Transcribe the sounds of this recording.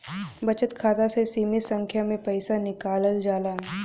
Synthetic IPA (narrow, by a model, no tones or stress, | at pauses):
bɐt͡ʃət̪kʰaːt̪asesiːmɪsɐ̃ŋkʰjamẽpɐɪsanɪkaːləld͡ʒaːlaːɦɛ